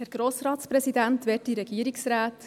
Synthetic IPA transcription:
hæɾɡ̥ɾoːsɾɑːtspɾɛsidæntʋɛːt̚diɾɛɡ̥iəɾiksɾaːt

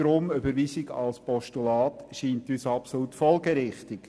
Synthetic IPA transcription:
ɾʊmʏbəɾʋiːsɪɡɑ̰lspɔʃtulɑːtʃiːntyːsɑpsolutfɔlɡeɾɪχt̪ɪɡ̥

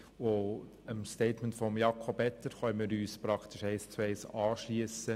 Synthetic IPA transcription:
o | əmsteɪtməntfɔmjɑkʰɔbɛt̪ːəɾχœmɪːɾyːspɾɑkʰt̪ɪʃɛɪst͡suɛɪsɑːʃliəsə

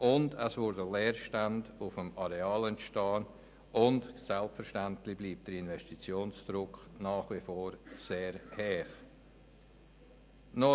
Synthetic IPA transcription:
ʔʊndɛsvʊɾdəlɛːɾʃtandʊfəmaɾeaːlɛntʃtaːn | ʔʊndsɛlpfɛɾʃtantlɪbliːp̚td̥əɾɪnvɛstit͡sjoːnsd̥ɾʊknaːχvifoːɾseːɾhɛːχ | nɔ

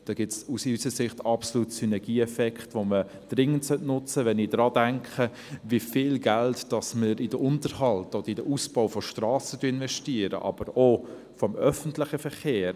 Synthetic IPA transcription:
d̥ɑːɡ̥ɪtsusysəsɪχtɑpsoluːtsynɛɡ̥iːɛfɛkχtʋomə | d̥ɾɪŋːəntsœtnʊt͡səʋɛnɪdɾɑːdæŋkχə | vifɪːlɡæltd̥ɑsməɾɪdəʔʊntəɾhɑltɔd̪əɾidəʔusb̥oʊfɔʃtrɑːsətyəɪnvɛʃtiəɾə̰ʔɑ̰b̥əɾo | fɔmœfəntlɪχəfəχeːɾ

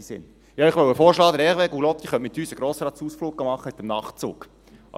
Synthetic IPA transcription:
isɪ̰n | jɑːɪχʋœwəfɔːɾʃlɑːd̪əɾɛʁʋɛɡulɔt̪iχœntmɪt̪yːsəɡ̥ɾoːsəɾɑːt͡suːsfluːk̚ɡ̥ɑmɑχːəɪt̪əmnɑχt͡sṵːk

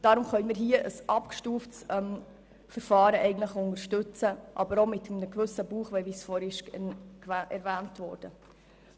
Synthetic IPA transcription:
d̥ɑɾʊmχœʏnmiːɾɦiəʔəsʔɑpkʃtuːftsɛm | fəɾfɑːɾəʔɛɪɡən̩dləχʊnəɾʃtʉt͡səʔɑ̰bəɾomɪt̪əmnəɡvɵsəbuːχʋɛʋisfɔːɾɪʃ | ɛɾvæːntʋɔːɾd̥ə

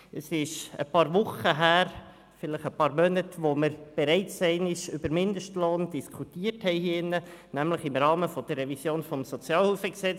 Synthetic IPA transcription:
əsɪʃə̰pɑːɾʋʊχəɦæːɾ | fɪləχəpɑːɾmœnətʋoməɾb̥ɛɾɛɪtsɛɪnɪʃʏbəɾmɪndəʃtloːnd̥iskʰutiːərthɛɪhiːəɪnːənæmləχɪmɾɑːməfɔd̥əɾːɛvisjoːnfɔmsɔt͡sjɑːlhuːfəksɛt͡s

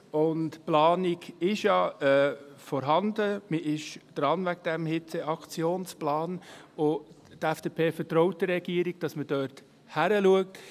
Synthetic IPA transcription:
ʊntplɑːnɪɡɪʃjɑɛːfɔɾɦɑndəməʔɪʃd̪̥ɾɑnvæɡ̚d̥ɛmhɪt͡seʔɑkt͡sjoːnsplɑːno | tɛfd̥eːpʰeːfəɾtɾɔʊt̚d̥əɾɛɡ̥iəɾiɡ̚d̥ɑsməd̥œɾt | hæɾəluək̚t

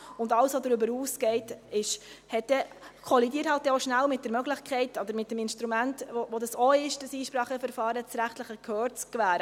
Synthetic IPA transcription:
ʊndɑlsʋodɾʏbəɾuːsɡ̥ɛɪtɪʃhɛt̚d̥ɛ | kʰɔlidiəɾthɑlt̚d̥ɛoʃnælmɪt̚d̥ɛɾmœɡlɪχkʰɛɪtɔdəɾmɪt̚dɛmɪnʃtɾumæntovodɑsoɪʃd̥əsiːʃpɾɑːχəfəɾfɑːɾət͡sɾæχtləχəkʰhøːɾt͡skvæːɾ

